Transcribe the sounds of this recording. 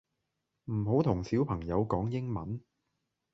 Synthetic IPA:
m̩˨˩ɦo˨˥wt̪ʰʊ˨˩ŋsiː˨˥wpʰɐ˨˩ŋjɐ˨˧wkɔː˨˥ŋjɪ˥ŋmɐ˨˥n

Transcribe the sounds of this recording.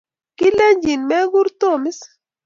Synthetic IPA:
ki˦le˦ɲd͡ʒi˨nmɛ˦ɡu˦ɾt̪o˦˨mi˦s

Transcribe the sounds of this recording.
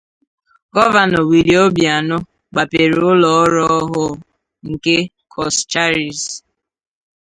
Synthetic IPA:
ɡɔ˦va˨nɔ˨wi˨li˨o˦bi˨a˨nʊ˦ | ɡ͡ba˨pe˨ɾʊ˦lɔ˨ɔ˦ɾɔ˦ɦʊ˦ | ŋ̩˨ke˦ | kʰɔ˨st͡ʃa˦ɾi˨s

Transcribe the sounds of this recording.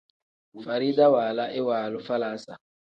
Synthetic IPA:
fa˨ɾiː˦da˦waː˨la˦ʔɪ˦waː˨lʊ˦fa˦laː˨˦sa˨

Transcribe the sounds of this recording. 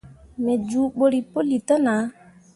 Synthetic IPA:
me˨d͡ʒu˨˦ɓo˦ɾi˨po˦li˨tɔ˦na˨˦

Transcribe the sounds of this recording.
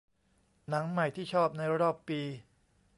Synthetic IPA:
na˩˦ŋma˨˩jt̪ʰiː˥˩t͡ɕʰɔː˥˩p̚na˧jɾa˦˥ɾɔː˨˩pːiː˧

